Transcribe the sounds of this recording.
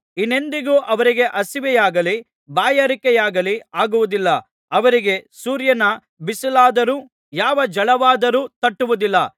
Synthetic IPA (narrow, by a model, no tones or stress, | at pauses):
inːe̞nd̪iɡuːʔɐʋɐɾiɡe̞ʔɐsiʋɛjaːɡɐli | baːjɐɾikɛjaːɡɐliaːɡuʋud̪ilːɐ | ɐʋɐɾiɡe̞suːɾjɐnɐ | bisilaːd̪ɐɾuː | jaːʋɐd͡ʒɐɭɐʋaːd̪ɐɾuːt̪ɐʈːuʋud̪ilːɐ